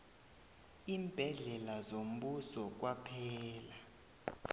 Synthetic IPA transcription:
iːmb̥ʱɛɮɛlazom̩ɓusɔk̬wapʰɛːla

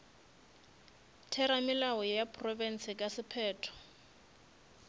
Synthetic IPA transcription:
tʰɛɾamɪlawɔjapʼrɔvɛn̩sɪkʼasɪpʰɛːtʰɔ̥

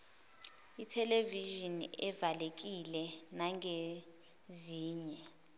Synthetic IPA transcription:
itʰɛleviʒiniɛvalek̬ilɛnaŋe | ziːɲɛ

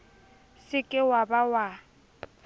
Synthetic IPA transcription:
sɪkʼɪwabawa

